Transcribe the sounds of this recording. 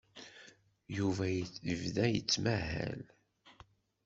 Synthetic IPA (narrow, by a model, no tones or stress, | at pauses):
juvæjəvðæjət͡sːmæhæ̰l